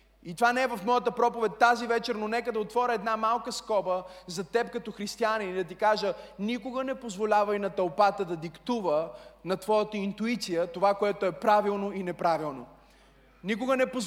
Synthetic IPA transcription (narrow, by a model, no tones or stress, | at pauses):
it̪ovanɛɛvɐfmɔjət̪əpɾɔpovɛt̪̚ʲːazivɛt͡ʃɛɾnonɛkəd̪ɐot̪vɔɾʲəɛd̪namalˠkəskɔbəzɐt̪ɛp̚kɐt̪ɔxɾist̪ianinid̪ɐt̪̬ikaʒənikoɡənɛpozvolʲavəjnɐt̪ɐlˠpat̪əd̪ɐd̪ikt̪uvənɐt̪vɔjət̪əint̪uit̪sijət̪ovakoɛt̪oɛpɾavilˠnoinɛpɾavilˠno | nikʊɡənɛpo